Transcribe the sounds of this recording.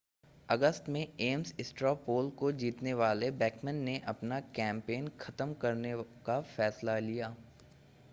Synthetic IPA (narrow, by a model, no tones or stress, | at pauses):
ɐɡəst̪mẽeːmsɪsʈɾaːpoːlkod͡ʒiːt̪neʋaːlebɛːkmə̃nːeʔɐpnakɛ̃ːmpeːnxʰɐt̪əmkɐɾnekafɛːslalijaː